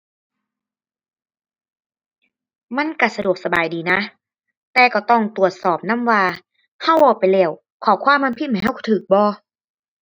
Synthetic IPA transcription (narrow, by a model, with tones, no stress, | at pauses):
ma˧˥˨nka˧˩sa˧du˨˩ək̚sa˧baː˨jdiː˨˩na˧˥ | t̪ɛː˨˩kɔː˧˩t̪ɔ˧˩ŋt̪u˨˩ət̪̚sɔː˨˩p̚na˧˥˨mwaː˧ | ha˧˥˨wʔɔː˧˩pa˨jlɛː˧˩w | kʰɔː˨˩˦kʰwaː˧˥˨mːa˧˨mpʰi˧˥ma˧˨˩jɦa˧˩˨kʰɔ˧˩t̪ʰɯː˨˩k̚bɔː˧˦